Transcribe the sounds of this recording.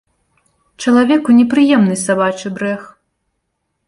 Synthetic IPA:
t͡ʂɐlˠavʲɛkunʲɛpɾɨjɛmnɨsabat͡ʂɨbɾɛx

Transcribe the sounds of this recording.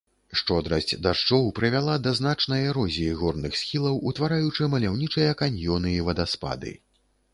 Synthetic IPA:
ʂt͡ʂɔd̪ɾɐsʲt͡sʲd̪aʂt͡ʂɔwpɾɨvʲalˠad̪ɐznat͡ʂnɐjɐɾɔzʲijiɣɔrnɨxsʲxʲilˠɐwut̪vaɾajut͡ʂɨmɐlʲawnʲit͡ʂɨjɐkanʲjɔnɨivɐd̪aspa̰d̪ɨ̰

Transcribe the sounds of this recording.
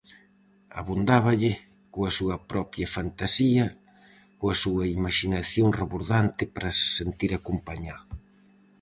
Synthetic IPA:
a̰βund̪aβɐʎɪ | koɐsuɐpɾɔpɾjɐfant̪asiɐ | koɐsuɐimaʃinaθjoŋreβuɾðant̪ɪpɾɐssent̪iɾakompaɲað

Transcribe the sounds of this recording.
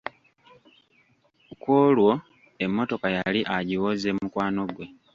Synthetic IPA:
ukwoːlwo̞ | e̞mːo̞to̞kajaliʔaɟiwozemukwaːno̞ɡwe̞

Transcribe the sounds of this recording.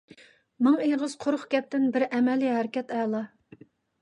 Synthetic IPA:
mɑŋeʁəz̥qʰoɾχɡʲɛp̚t̪ɪnbɪɾɛmɛliɦæɾɪkʲɛt̪ɛlˠɑ

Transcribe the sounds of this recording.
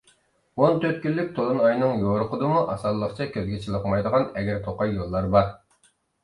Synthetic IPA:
ont̪ʰøɾt̪̚kʲylːyk̚ʲt̪ʰolˠunɑjnɨŋjoɾʊqʊd̪ɨmuʔɑsɑlˠːəqt͡ʃʰɑkʲʰøzɡʲɛt͡ʃʰilˠəqmɑjd̪əʁɑnɛɡʲɛɾt̪ʰoqɑjjolˠːɑɾbɑɾ

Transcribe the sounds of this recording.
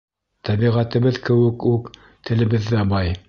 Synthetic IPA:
t̪æbiʁæt̪ɘ̆βɘðkɘ̆wɘ̆kuk | t̪ʰɘ̆lɘ̆βɘðːæbɑj

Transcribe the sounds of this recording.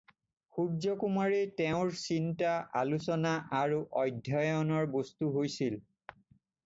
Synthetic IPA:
xuzɔkumaɹitɛʊ̃ɹsintaʔalusɔnaʔaɹuʔɔjdʱjɔjɔnɔɹbostuɦojsil

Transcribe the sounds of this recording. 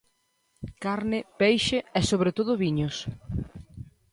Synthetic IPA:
kaɾnɪpejʃeɛsoβɾet̪oðʊβiɲʊs

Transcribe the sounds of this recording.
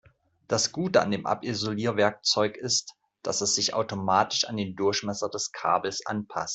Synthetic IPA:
d̥asɡ̥uːtəa̰ndeːmʔa̰pɪzoliːɐvɛɐk̚t͡sɔʏkɪst | d̥asɛsz̥ɪçʔa̰ʊtomaːtɪʃa̰ndeːndʊɐçmɛsɐdɛskʰa̰ːbl̩sʔa̰npʰa̰st

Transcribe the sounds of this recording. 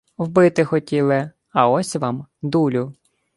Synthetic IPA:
wbɪt̪ɪxɔtʲilˠɪ | ɐɔsʲʋɑmd̪ulʲʊ

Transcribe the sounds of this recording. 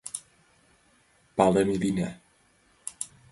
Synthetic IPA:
b̥alˠɛmilinɛ

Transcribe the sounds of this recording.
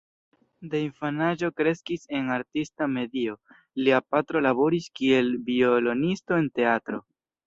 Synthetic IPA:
deiɱfanaʒo̞kɾe̞skise̞naɾtistame̞dio̞ | liapatɾo̞laβo̞ɾiskie̞lbiolo̞nisto̞e̞nte̞atɾo̞

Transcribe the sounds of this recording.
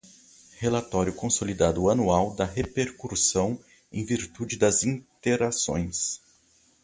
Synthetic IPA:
helat̪ɔɾjʊkõsolid̪ad̪ʊɐnuawd̪ɐɦepeɾkuɾsɐ̃w̃ | ẽj̃viɾt̪ud͡ʒɪd̪ɐzĩt̪eɾasõ̰j̃s

